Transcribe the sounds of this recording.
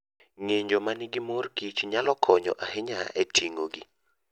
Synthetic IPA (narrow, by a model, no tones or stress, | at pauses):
ŋeɲd͡ʒomanɪɡɪmorkit͡ʃɲalɔkʰɔɲɔ̰ʔahɪɲaʔetʰiŋoɡi